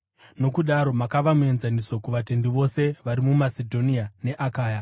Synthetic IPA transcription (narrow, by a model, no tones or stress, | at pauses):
no̞kuɗaɾo̞makaʋamue̞nzaniso̞kuʋate̞ndiʋo̞se̞ʋaɾimumasedʱo̞niane̞ʔakaːja